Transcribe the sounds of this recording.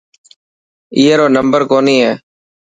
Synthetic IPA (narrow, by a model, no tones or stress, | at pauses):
iːɦeːɾoːnəmbəɾkoːniːɦeː